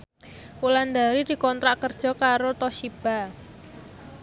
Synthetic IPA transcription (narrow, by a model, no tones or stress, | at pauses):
uland̪aɾid̪̥i̤kɔnt̪ɾaʔkərd̥ʒ̥ɔ̤kaɾot̪ɔʃib̥a̤